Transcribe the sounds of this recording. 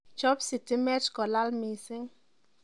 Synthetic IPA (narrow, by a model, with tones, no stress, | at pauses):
t͡ʃɔ˦psi˨tɪ˦mɛ˦t͡ʃkɔ˨la˦lmi˨sɪ˦